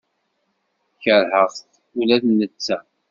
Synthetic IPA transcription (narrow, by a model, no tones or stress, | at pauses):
çəɾhəʁˤθ | ulæðnːət͡sːæ